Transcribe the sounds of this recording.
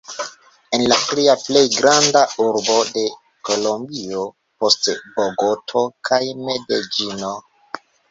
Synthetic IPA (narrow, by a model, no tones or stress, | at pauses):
e̞nlatɾiaple̞jɡɾandauɾbo̞de̞ | ko̞lo̞mbio | po̞stboɡotʰo̞kʰajme̞ded͡ʒino